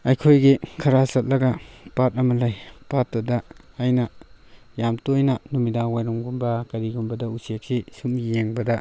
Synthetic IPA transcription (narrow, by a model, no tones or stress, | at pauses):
ɐjkʰojɡikʰɐɾasɐt̚lɐɡɐpat̚ɐmɐlajpat̚bɐdɐːjnɐ | jamtojnɐnumidawajɾɔmɡumbɐkɐɾiɡumbɐdɐusek̚sisumjeŋbɐdɐ